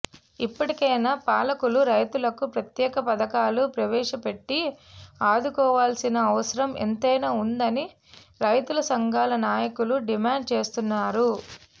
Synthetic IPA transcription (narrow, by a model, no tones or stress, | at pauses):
ipːɐʈikɐːnaːpaːlɐkuluɾɐjt̪ulɐkupɾɐt̪jɛːkɐpɐd̪ɐkaːlupɾɐʋɛːʂɐpe̞ʈːiaːd̪ukɔːʋaːlsinɐːʋɐsɐɾɐmḛnt̪ɐjnɐund̪ɐni | ɾɐjt̪ulɐsɐŋɡʱaːlɐnaːjɐkuluɖimaːɳɖ̚t͡ʃe̞ːst̪unːaːɾu